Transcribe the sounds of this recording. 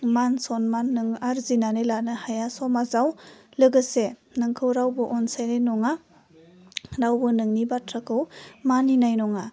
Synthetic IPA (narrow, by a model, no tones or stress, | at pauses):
mansɔnmanːɯŋaɾzinanejlanɯhajasɔmazawlɯɡɯsenɯŋkʰɯwɾawbɯʔɔnsajnajnɔŋa | ɾawbɯnɯŋnibatʰɾakʰɯwmaninajnɔŋa